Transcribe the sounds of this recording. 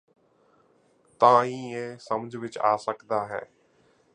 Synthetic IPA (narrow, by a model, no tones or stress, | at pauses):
t̪ɐãĩẽsɐmd͡ʒʱʋɪt͡ʃa̰ːsəkd̪aːɦɛ̰ː